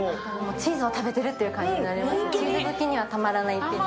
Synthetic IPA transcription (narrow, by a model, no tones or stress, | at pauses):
moːt͡ɕiːzɨo̞t̪abe̞t̪e̞ɾɯ̟t̪ːejɯ̟kãɲd͡ʑiɲinaɾʲemaseiot̪okʲiɲ̟iβat̪amaɾanait̪ːe